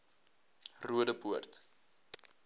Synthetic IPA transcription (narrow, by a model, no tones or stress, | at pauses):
ruədəpuərt̪